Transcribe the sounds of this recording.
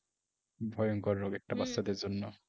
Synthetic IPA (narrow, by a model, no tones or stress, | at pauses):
bʱɔjɔŋkɔɾːoɡɛk̚ʈabast̪ad̪eɾd͡ʑonːɔ